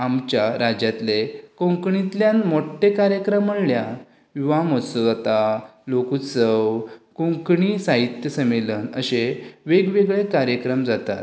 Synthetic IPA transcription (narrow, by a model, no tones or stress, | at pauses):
amt͡ɕjaɾad͡ʑjat̪lekõŋkɳĩt̪ljanmoʈːekaɾjəkɾəməɽlja | ʋiʋamɔsəat̪alokut͡səwkõŋkɳisaɦit̪jəsəmelənəɕeʋeɡʋeɡɭekaɾjəkɾəmd͡zat̪a̰t̪